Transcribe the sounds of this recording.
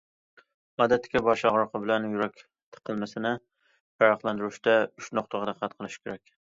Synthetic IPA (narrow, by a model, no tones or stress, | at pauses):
mɒd̪at̪ʰːɪ̥kʲɛbɒʃɒʁɾɑqʰɨbɪlanjʊɾakʲ | t̪ʰɨ̥qʰːɨlˠmasɪnɪ | pɑɾɑqlˠand̪ɪɾɪʃt̪aʊʃnoqt̪ʰɑʁɑɾɑqʰːɑt̪̚qʰɨlˠɪʃkʰʲeɾɛkʲ